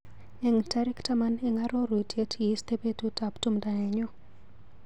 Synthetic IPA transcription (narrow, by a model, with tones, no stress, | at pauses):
ɛ˦ŋtaɾɛ˦ktama˦nɛŋa˦ɾɔ˦ɾu˨tje˦tʰji˦st̪e˦pe˦tu˦taptu˦mda˨nɛ˨ɲɔ˦